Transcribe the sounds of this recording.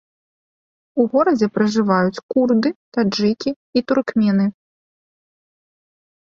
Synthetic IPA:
uɣɔɾɐd͡zʲɛpɾɐʐɨvajut͡sʲkurd̪ɨt̪ad͡ʐɨkʲiːt̪urkmʲɛnɨ

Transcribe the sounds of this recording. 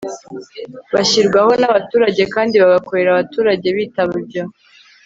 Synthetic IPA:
βaçiɾɡwaho̞naβatuːɾaɟe̞kaːndiβaɡako̞ɾe̞ɾaβatuːɾaɟe̞βiːtaβabɟo

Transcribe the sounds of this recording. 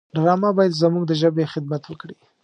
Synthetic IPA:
ɾɣɑmabɑjad̪zəmuɡd̪əʒəbexɪd̪mat̪wəkɽi

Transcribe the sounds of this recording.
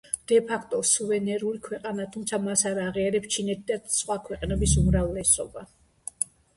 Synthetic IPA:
d̪̥ɛpʰakʰt̪ʼɔsuvɛnɛɾulikʰwɛqʼanat̪ʰumt̪sʰamasaɾaʁiaɾɛpst͡ʃʰinɛt̪ʰid̪asχwakʰwɛqʼnɛbisumɾavlɛsɔ̰ba

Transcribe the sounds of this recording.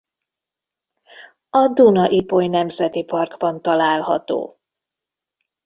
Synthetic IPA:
ɒd̪unɒʔipojnɛmzɛt̪ipɒrɡbɒnt̪ɒlaːlhɒ̰t̪o̰ː

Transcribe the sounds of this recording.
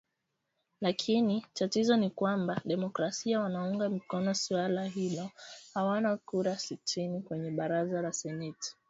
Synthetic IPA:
lakʰinitatizɔnikwambaɗɛmɔkɾasiawanauŋɡamikɔnɔsiwalaɦilɔhawanakuɾasitʰinikwɛɲɛɓaɾazalasɛnɛti̥

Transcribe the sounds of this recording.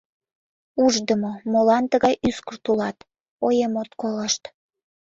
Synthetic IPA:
uʒd̪əmomolɑnt̪əɣɑjʔyskərt̪ulɑt̪ | ojemot̪koləʃt̪

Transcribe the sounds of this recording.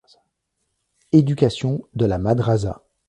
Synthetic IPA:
ed̪ykʲasjɔ̃d̪əlamad̪ʁaza̰

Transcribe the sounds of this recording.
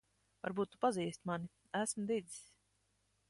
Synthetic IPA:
va̰ɾbuːt̪ːu̥paziːst̪mani | æsmd̪ii̥sʲ

